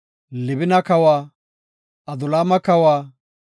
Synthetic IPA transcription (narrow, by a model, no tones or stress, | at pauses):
lɪbɪnɐkɐwaː | ʔɐd̪ʊlaːmɐkɐwaː